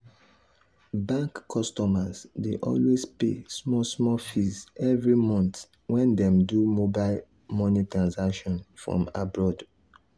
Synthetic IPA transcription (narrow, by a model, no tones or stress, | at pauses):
bãŋkʰːɔstɔmazdeʔɔ̰lwespḛsmɔsmɔfisɛvɹimɔ̃nt | wɛ̃ndɛ̃mdumobaɪl | mɔnitɹãnsakʃɔ̃nfɹɔ̰̃mabɹɔd